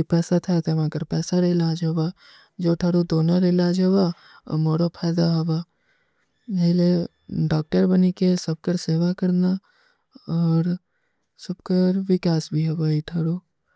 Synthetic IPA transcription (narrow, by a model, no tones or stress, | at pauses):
pɛːsat̪ʰɛt̪ʰɛʋãːkɐɾpɛːsaɾɪlaːd͡ʒɦɐwa | d͡ʒoːʈʰɐɽod̪oːnaɾɪlaːd͡ʒɦɛwa̰ | moːɾopʰaːjd̪aɦɐba | eːle | ɖaːk̚ʈəɾbɐnikesɐb̚kəɾseːʋakɐɾna | ɔːɾ | sɐbkəɾʋɪkaːsbʱiɦɛbaiʈʰɐɽo